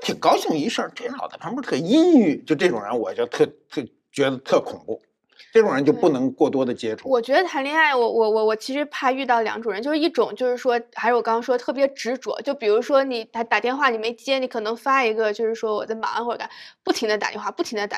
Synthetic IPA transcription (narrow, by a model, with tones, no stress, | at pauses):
t̪ʰi˨˩ŋkɑ˥ʊɕʊ˥˩ŋi˧˥ʂə˞˥˧t͡swe˥˩˥xɑ˨˩d̪ə˦pʰa˥pu˥t̪ʰə˥˩i˥ny˥˩t͡ɕjo˥˧ʊʈ͡ʂɤ˥˩ʈ͡ʂʊ˨˩ŋɻə̰˧˥nwɔ˨˩˥t͡ɕjo˥˧ʊt̪ʰɤ˥˩t̪ʰ | t͡ɕɥɛ˧˥d̪ə˧t̪ʰɤ˥˩kʰʊ˨˩ŋpu˥˩ | ʈ͡ʂɤ˥˩ʈ͡ʂʊ˨˩ŋɻə˧˥nt͡ɕjo˥˧ʊpu˥˩nɤ˧˥ŋkwɔ˥˩t̪wɔ˥d̪ə˨t͡ɕjɛ˥ʈ͡ʂʰu˥˩wɔ˨˩t͡ɕɥɛ˧˥d̪ə˧t̪ʰa˧˥nli˥˧a˥˩ɪwɔ˧˩wɔ˧˩wɔ˧˩wɔ˨˩t͡ɕʰi˧˥ʂɻ̩˧˥pʰa˥˧ɪy˥˧ɑ˥˩ʊljɑ˧˥ŋʈ͡ʂʊ˨˩ŋə˧˥t͡ɕjo˥˧ʊʂɻ̩˥˧i˥˩ʈ͡ʂʊ˨˩ŋt͡ɕjo˥˧ʊʂɻ̩˥˩ʂwɔ˥xʂɻ̩˧˥˩wkɑ˥ŋkʰɑ˥ʂwɔ˥t̪ʰɤ˥˩p̬jɛ˧˥ʈ͡ʂɻ̩˧˥ʈ͡ʂwɔ̰˨˩˦t͡ɕjo˥˩ʊpi˨˩ɻu˧˥ʂwɔ˥ni˨˩t̪a˧˥t̪a˨˩t̪jɛ˧nxwa˥˩ni˨˩me˧˥ɪt͡ɕjɛ˥ni˧˥kʰɤ˨˩nɤ˧˥ŋfa˥i˧˥ɡə˧t͡ɕjo˥˧ʊʂɻ̩˥˩ʂwɔ˥wɔ˨˩t͡sa˥˩ɪma̰˧˥a˧xɔ˥˩ə˧ka˥˩˦pu˥˩i˧˥ŋd̪ə˧t̪a̰˨˩jɛ̰˥˧nxwa˥˧pu˥˩t̪ʰi˧˥ŋd̪ə˧ta˨˩